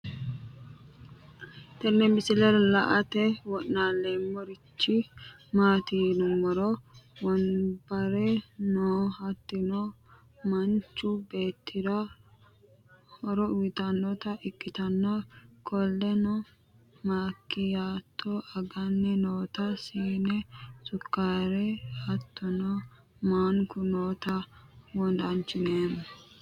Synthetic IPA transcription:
t̪ɛɾnɛmɪsɪlɛllɐʔɐt̪ɛwɔʔnaːlːeːmːɔɾɪt͡ʃːɪ | maːt̪iːnɔmɔɾɔwɔnbɐɾɛnoːhɐt̪ːɪnɔ | mɐnt͡ʃːʊbe̞ːt̪ʰːɪd̪ɐ | hɔɾɔʊwɪt̪ɐnːɔt̪ɐʔɪkʼːɪt̪ɐnːɐkʰɔlːɛnɔ | maːkːɪjaːt̪ʰːɔɐɡɐnːɛnoːt̪ɐsiːnɛsʊkːaːɾɛhɐt̪ːɔnɔ | maːŋkʊnoːt̪ɐwɔnd̪ɐnt͡ʃːɪneːmʊ

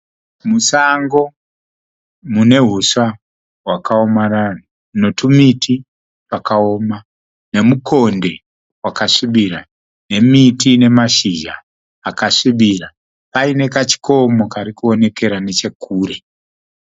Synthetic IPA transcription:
musaŋɡo̞ | mune̞ɦusa | ɦwakao̞maran̤u | no̞tumitʰi | pakao̞ːma | ne̞muko̞nde̞ | wakaʂiɓira | ne̞mitine̞maʃiʒaː | kaʂiɓira | paine̞kat͡ʃi̥ko̞mokaɾikuo̞ne̞ke̞ɾane̞t͡ʃe̞kʰuːɾe

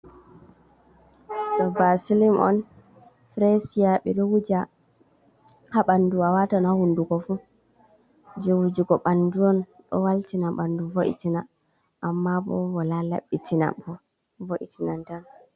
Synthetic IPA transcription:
ɗɔbasilimʔɔ̰n | fɾesijaɓɛɗɔwud͡ʒa | haɓanduawatanahunduɡɔfu | d͡ʒɛwud͡ʒiɡɔɓanduɔn | ɗɔ̰waltinaɓanduvoʔḭtina | ʔamːabɔ̰wɔlala̰ɓːitina̰bɔ | voʔḭtinantan

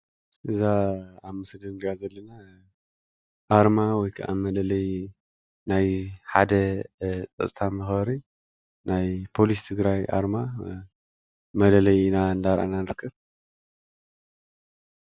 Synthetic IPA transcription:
ʔɨzaaβmɨsɨɡ̪ɐnɡazɐlːɐna | ʔaɾmawɔjkʰɐʔa̰mɐlɐlɐj | najħad̪ɐt͡s̪ʼɐ̰sʼt̪ʰamɨxɾi | najpʰo̞list̪ʰɨɡɾajʔa̰ɾma | mɐlɐlɐjnaɨnd̪aɾʔa̰nanɨɾɨkʰːɐβ

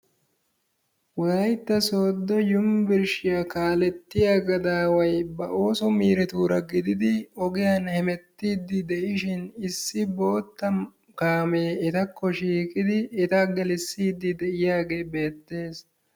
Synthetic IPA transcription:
wɔlɐjt̪ːɐsoːd̪ːɔjʊmbɪɾʃɪjakaːlɛt̪ːɪjaːɡɐd̪aːwɐjbɐʔo̞ːsɔmiːɾɛt̪uːɾɐɡɪd̪ɪd̪ɪɔɡɪjanhɛmɛt̪ːiːd̪ːɪd̪ɛʔɪʃɪnɪsːɪbo̞ːt̪ːɐ | kaːmeːɪt̪ɐkːɔʃiːkɪd̪ɪːt̪ɐɡɛlɪsːiːd̪ːɪd̪ɛʔɪjaːɡe̞ːbe̞ːt̪ːe̞ːs

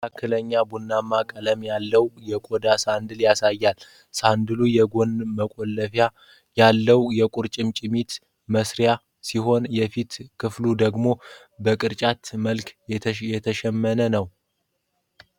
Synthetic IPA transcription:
akːɨləɲːabunːamːakʼələmjalːəwjɛkʼod̪asand̪ɨljasajːal | sand̪ɨlujɛɡo̞nməkʷʼolːəfa | jalːəwjɛkʼʊɾt͡ʃʼɪmt͡ʃʼɪmit̪ | məsɾja | siɦo̞njɛfit̪kʰɨflud̪əɡmo̞ | bəkʼɨɾt͡ʃʼat̪məlkjɛt̪ʰəʃɛmːənənəw

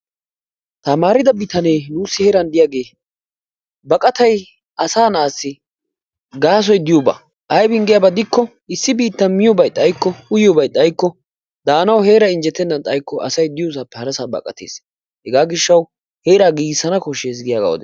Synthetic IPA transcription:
t̪ɐmaːɾɪd̪ɐbɪt̪ɐneːnuːsːɪheːɾɐnd̪ɪjaːɡe̞ː | bɐkʼɐt̪ɐj | ɐsaːnaːsːɪ | ɡaːs̬ɔjd̪ɪjoːbɐ̰ | ʔɐjbɪnɡɪjɐːbɐd̪ɪkːɔ | ɪsːɪbiːt̪ːɐnmɪjɔbɐjt̪ʼːɐjkːɔʊjjɔbɐjt̪ʼːɐjkːɔ | d̪aːnɐwhe̞ːɾɐɪnd͡ʒɛt̪ːɛnːɐnt̪ʼɐjkːɔʔɐ̰sɐjd̪ɪjosaːpːɛhɐɾɐsaːbɐ̰kʼːɐ̰t̪ʰḛːs | hɛɡaːɡɪʃːɐw | he̞ːɾaːɡiːsːɐnɐkɔʃeːs̬ɡɪjaːɡa̰wɔ̰d̪ɛ

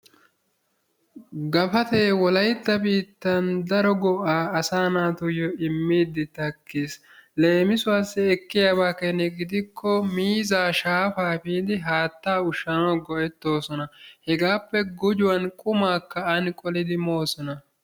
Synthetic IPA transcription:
ɡɐfɐt̪eːwɔlɐjt̪ːɐbiːt̪ːɐnd̪ɐɾɔɡɔʔaːɐsaːnaːt̪ʊjɔɪmːiːd̪ɪt̪ɐkːeːs | le̞ːmɪsʊwaːsːɛɛkːɪjaːbaːkɛnɛɡɪd̪ɪkʰːɔmiːzaːʃaːfaːfiːd̪ɪɦaːt̪ːaːʊʃːɐnɐɡɔʔɛt̪ːo̞ːsɔnɐhɛɡaːpːɛɡʊd͡ʒʊwɐnkʼʊmaːkːɐɐnkʼɔlɪd̪ɪmo̞ːsɔnɐ

